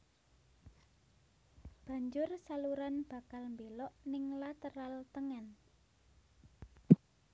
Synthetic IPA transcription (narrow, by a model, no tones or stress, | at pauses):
b̥ä̤ɲd͡ʒʊrsaluɾanb̥ä̤kalmbelɔʔnɪŋlat̪əɾalt̪əŋɛn